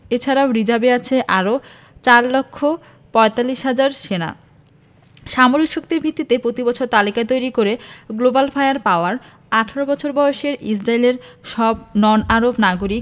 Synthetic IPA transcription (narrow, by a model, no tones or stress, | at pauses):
et͡ɕʰaɾaoɾid͡ʑabeat͡ɕʰeʔaɾo | t͡ɕaɾlokʰːo | pɔet̪alːiʃɦad͡ʑaɾʃena̰ | ʃamoɾikʃok̚t̪iɾbʱit̪ːit̪epɾot̪ibɔt͡ɕʰoɾt̪alikat̪ojɾikoɾeɡlobalfajaɾpaoaɾ | aʈʰaɾobɔt͡ɕʰoɾbɔoʃeɾḭs̬ɾaileɾʃɔb̚nɔnaɾobnaɡoɾik